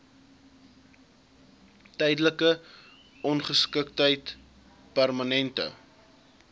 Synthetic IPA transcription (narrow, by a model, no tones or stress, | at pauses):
tɛjdələkə | ɔnχəskəktəjt | pærmɐnɛntə̰